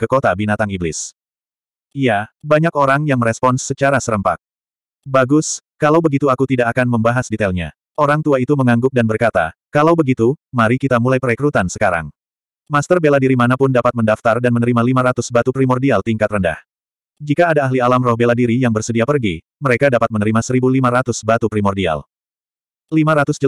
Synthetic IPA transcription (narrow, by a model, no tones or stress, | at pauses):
kəkot̪abinat̪aŋiblɪ̰s | ijabaɲakoɾaŋjaŋməɾɛspɔnsːət͡ʃaɾasəɾəmpa̰k̪̚ | baɡʊskalawbəɡit̪uakut̪idakakanməmbaɦasdit̪ɛlɲa̰ | ʔoɾaŋt̪uait̪uməŋaŋɡʊk̚danbərkat̪a̰kalawbəɡit̪umaɾikit̪amulajpəɾekɾut̪ansə̥kaɾa̰ŋ | mast̪ərbeladiɾimanapʊndapat̪̚məndaft̪ardanmənəɾimalimaɾat̪ʊsbat̪upɾimɔrdialt̪iŋkat̪rənda̰h | d͡ʒikaːdaːɦlialamrɔhbeladiɾijaŋbərsədiapərɡi | məɾekadapat̪̚mənəɾimasəɾibulimaɾat̪ʊsbat̪upɾimɔrdia̰l | limaɾat̪ʊsd͡ʒə